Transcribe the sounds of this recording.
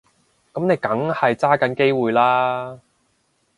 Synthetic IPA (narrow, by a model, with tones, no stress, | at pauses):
kɐ˨˥mne˨˧jkɐ˨˥ŋhɐ˨jt͡saː˥kɐ˨˥nke˥jwuː˨jlaː˥